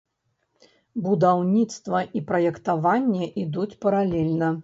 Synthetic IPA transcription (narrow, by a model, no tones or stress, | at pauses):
bud̪awnʲit̪st̪vɐʔipɾɐjɛkt̪avanʲːɛʔid̪ut͡sʲpɐɾalʲɛlʲnɐ